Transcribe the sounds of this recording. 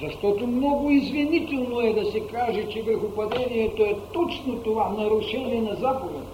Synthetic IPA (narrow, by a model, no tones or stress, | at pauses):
zɐʃt̪ɔt̪omnɔɡʊizvʲinʲit̪ʲɛlʲˠnoɛd̪ɐsɛkaʒɛt͡ʃɛvəɾxʊpɐd̪ʲɛnʲijɛt̪oɛt̪ɔt͡ʃnot̪ʊvanɐɾʊʃɛlʲɪnɐzapovət̪